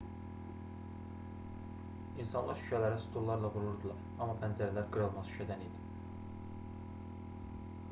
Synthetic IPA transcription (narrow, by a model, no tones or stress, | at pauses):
insɑnlˠɑɾʃy̥cʰælæɾæsu̥t̪ʰullːˠɑɾlˠɑɡuɾuɾd̪ɯlˠɑɾ | ɑmːɑpʰænd͡ʒæɾælæɾɡɯɾɑlˠmɑʃyʃʰæd̪ænejd̪i̥